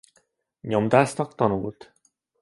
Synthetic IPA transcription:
ɲomd̪aːsnɒkt̪ɒnult̪

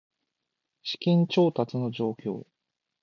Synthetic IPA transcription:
ɕi̥kʲĩɲ̟t͡ɕo̞ːt̪at͡sɨno̞d͡ʑo̞ːkʲo̞̰ː

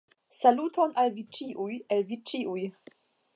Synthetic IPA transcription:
salutʰonalvit͡ʃiʔujelvit͡ʃiuj

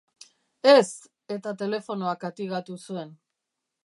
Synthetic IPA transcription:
e̞s | e̞t̪at̪e̞le̞fo̞no̞akat̪iɣat̪usue̞n

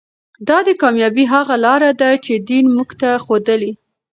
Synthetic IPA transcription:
d̪ɑd̪əkɑmjɑbiɦaɣalɑɾad̪at͡ʃed̪inmuɡt̪axod̪əli

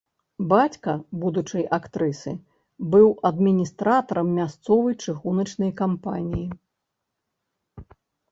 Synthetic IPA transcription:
bat͡sʲkɐbud̪ut͡ʂɐjʔakt̪ɾɨsɨ | bɨwɐd̪mʲinʲist̪ɾat̪ɐɾɐmːʲast̪sɔvɐjt͡ʂɨɣunɐt͡ʂn̪ɐjkampanʲiji

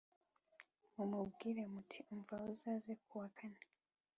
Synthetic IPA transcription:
umubɡiːɾemutʰiʔuɱvauzaːzekʰuwakʰana

